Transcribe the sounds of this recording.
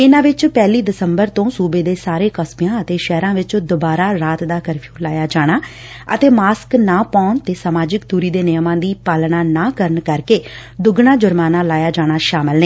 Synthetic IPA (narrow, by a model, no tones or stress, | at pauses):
ɪnãːʋɪt͡ʃpɛːliːd̪ɪsəmbəɾt̪õːsuːbeːd̪eːsaːɾeːkəspijãːət̪eːʃɛːɾãːʋɪt͡ʃod̪ʊbaːɾaːɾaːt̪d̪aːkəɾpʰjuːlaːjaːd͡ʒaːɽ̃aː | ət̪eːmaːsknaːpaːɳt̪eːsaːmaːd͡ʒɪkt̪uːɾiːd̪eːnɪjmãːd̪iːpaːlnaːnaːkəɾəɳkəɾkeːd̪ʊɡɳaːd͡ʒʊɾmaːnaːlaːjaːd͡ʒaːɽ̃aːʃaːməlneː